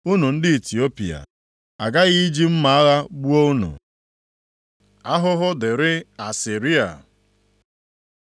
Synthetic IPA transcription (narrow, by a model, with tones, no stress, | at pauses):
u˦nu˨n̩˦dɪ˦i˨ti˨o˦pḭ˨a̰˨ | a̰˨ɡa˦ɣi˦d͡ʒi˦m̩˦ma˨a˦ɣa˦ɡ͡bu˦o˦u˦nṵ˨ | a˦ɦʊ˦ɦʊ˦dɪ˨ɾɪ˦a˨si˨ɾi˦a̰˨